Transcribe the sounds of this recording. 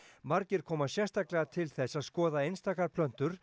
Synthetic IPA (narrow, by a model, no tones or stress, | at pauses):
maɾcɪɾ̥kʰɔːmasjɛst̪aklɛɣat̪ʰɪlθɛsːaðskɔːðaejnst̪aːkaɾpʰlœn̥t̪ʏɾ̥